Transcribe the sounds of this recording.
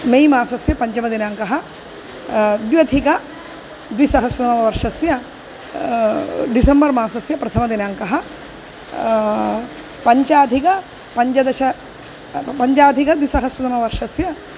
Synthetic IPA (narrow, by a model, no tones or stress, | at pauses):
mejmaːsɐsjɐpɐɲt͡ʃɐmɐd̪inaːŋkɐɦɐ | d̪jɐd̪ʰʱikɐ | d̪ʋisɐɦɐsʋɐt̪ɐmɐmɐʋɐɾʂɐsjɐ | ɖisɐmbɐɾmaːsɐsjɐpɾɐt̪ʰɐmɐd̪inaːŋkɐɦɐ | pɐɲt͡ʃaːd̪ʱikɐ | pɐɲt͡ʃɐd̪ɐʃɐ | pɐɲt͡ʃaːd̪ʱikɐd̪ʋisɐɦɐsʋɐt̪ɐmɐʋɐɾʂɐsjɐ